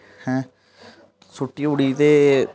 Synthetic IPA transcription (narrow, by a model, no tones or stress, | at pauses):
hɛ̃ | sʊʈːiːʊɽit̪eː